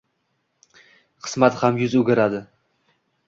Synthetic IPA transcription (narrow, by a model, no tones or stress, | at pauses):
qʰɨ̥smat̪hamjʊzʊɡʲɪɾad̪ɪ